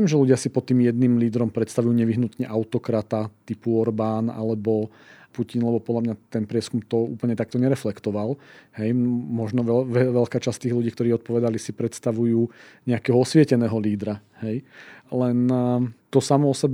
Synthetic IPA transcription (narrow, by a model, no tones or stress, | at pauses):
ɛmʒɛluɟɪasipɔt̪ːiːmjɛd̪nimliːd̪ɾɔmpɾɛt̪st̪aʋujuːɲɛʋiɦnut̪ɲɛʔaʊt̪ɔkɾat̪at̪ipuɔɾbaːna̰lɛbɔ | pucinlɛbɔpɔd̪lamɲat̪ɛnpɾɪɛskumt̪ɔṵːpl̩ɲɛt̪ak̚t̪ɔɲɛɾɛflɛkt̪ɔʋalɦɛjmɔʒnɔʋɛʋɛʋɛlkaːt͡ʃast̪iːɣluɟiːkt̪ɔɾiːɔt̪̚pɔʋɛd̪alisipɾɛt̪st̪aʋujuːɲɛakɛːɦɔɔsʋɪɛcɛnɛːɦɔliːd̪ɾa | hɛjlɛnt̪ɔsamɔɔsɛb